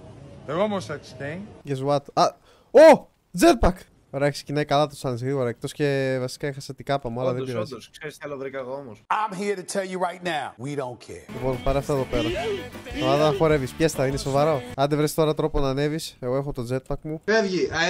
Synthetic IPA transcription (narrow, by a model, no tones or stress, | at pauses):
eɣomosɐst̪eʝezuɐt̪ɐ | o | d͡zet̪̚pɐk | oɾeeçkse̥cinɐikɐlɐt̪osɐnizɣɾiɣo̞ɾɐek̚t̪o̞sce̞vɐsi̥kɐexɐset̪ikɐpɐmuɐlɐðebiɾɐziskseɾist̪iɐloðɾikɐɣoomosãɪ̃mɦiɹɾɨtʰɛlˠjɨɹaɪtⁿnaʊwiɾõʊ̃nkʰɛ̰ɹlipo̞npɐɾeɐft̪oeðo̞pe̞ɾɐtɐvɐðɐnɐxo̞ɾe̞vispçest̪ɐineso̞vɐɾo̞ɐnd̪evɾest̪o̞ɾɐt̪ɾo̞po̞nɐne̞vise̞ɣoexo̞t̪od͡ze̞t̪̚pɐkmueðʝi